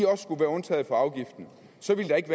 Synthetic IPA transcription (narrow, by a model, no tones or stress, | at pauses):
iɒ̽ssɡ̥uʋæːɐɔ̽nt͡sʰɛ̰ːð̩ˠfɒ̽ɑ̈ʊɡ̥ifd̥n̩ | sɒ̽ʋiləd̥ɑ̈e̝ɡ̥ʋæ